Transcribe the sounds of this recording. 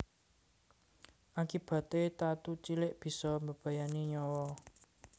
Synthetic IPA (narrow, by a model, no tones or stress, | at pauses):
ʔakib̥ä̤t̪et̪at̪ut͡ʃilɪʔb̥i̤sɔməb̥ä̤janiɲɔwɔ